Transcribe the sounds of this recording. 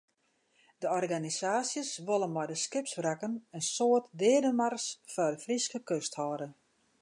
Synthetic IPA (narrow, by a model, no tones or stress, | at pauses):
dəɔrɡanisaːsjəsʋolˠənmɔjdəskɪpsbrakənənsoətdɪədəmarsfɔdəfriskəkøsthɔːdə